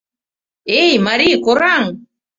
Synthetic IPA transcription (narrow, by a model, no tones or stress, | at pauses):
ejmaɾikoɾaŋ